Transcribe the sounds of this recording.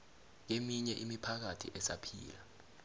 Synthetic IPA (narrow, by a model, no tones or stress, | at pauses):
ŋ̬emiɲɛʔimipʰak̬atʰḭʔɛsa̰pʰḭːla